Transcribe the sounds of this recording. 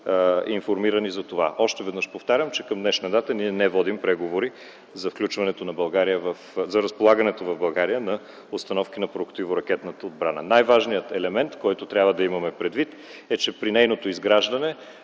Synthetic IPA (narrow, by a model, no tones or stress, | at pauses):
infoɾmiɾənizɐt̪ova̰ʔɔʃt̪ɛvɛd̪nəʃpoft̪aɾʲəmt͡ʃɛkɐmd̪nɛʃnɐd̪at̪əniɛnɛvɔd̪impɾɛɡovoɾi | zɐfklʲut͡ʃvɐnɛt̪onɐbɐlˠɡaɾijəvɐfzɐɾɐspolˠaɡɐnɛt̪ovɐvbɐlˠɡaɾijənɐ | ot̪st̪ɐnɔfk̟inɐpɾokt̪ivoɾɐk̟ɛt̪nət̪əod̪̚bɾanə̰najvaʒnijət̪ɛlɛmɛnt̪kɔjt̪ot̪ɾʲabvəd̪ɐimɐmɛpɾɛd̪vit̪ | ɛt͡ʃɛpɾinɛjnot̪oizɡɾaʒd̪ɐnɛ